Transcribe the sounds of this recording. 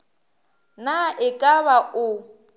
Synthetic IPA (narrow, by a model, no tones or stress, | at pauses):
naʔɪkʼaβaʊ